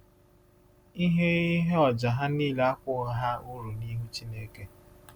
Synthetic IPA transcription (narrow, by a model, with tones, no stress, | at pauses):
i˦ɦe˦i˦ɦe˦ɔ˨d͡ʒa˨ɦa˦niː˦la˦kʷʊ˦˨ɦa˦ʊ˦ɾu˨ni˦ɦu˦t͡ʃi˦ne˦ke˦